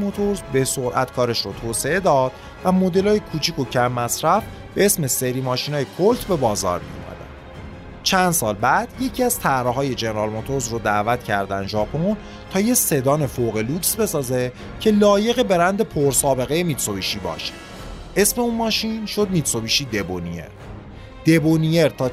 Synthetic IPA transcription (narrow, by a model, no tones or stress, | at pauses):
mot̪ʰoɾzbesoɾʔæ̰t̪kʰɒːɾe̞ʃɾot̪ʰoːse̞e̞d̪ɒːd̪̥ | væmod̪e̞lɒːjekʰuːt͡ʃʰiko̞cʰæmːæsɾæf | b̥e̞e̞sme̞se̞ɾiːmɒːʃinɒːjekʰolt̪ʰbe̞bɒːzɒ̰ːɾmḭo̰mæ̰d̪æ̰n | t͡ʃʰænd̪sɒːlbæd̪̥je̞cʰiæz̥t̪ʰæhɾɒɦɒːje̞d͡ʒeneɾɒlmot̪ʰo̞ɾzrod̪æːvæt̪cʰæ̰ɾd̪ænʒɒːpʰon | t̪ʰɒːje̞se̞d̪ɒːne̞foɣe̞luksbe̞sɒːze̞ | cʰe̞lɒːje̞ɣe̞be̞ɾænd̪e̞pʰoɾsɒːbe̞ɣe̞jemit̪so̞biʃiːbɒ̰ːʃe̥ | ʔe̞sme̞unmɒːʃinʃo̞d̪mit̪so̞biʃid̪e̞boniḛɾ | d̪̥e̞bonije̞ɾt̪ʰɒː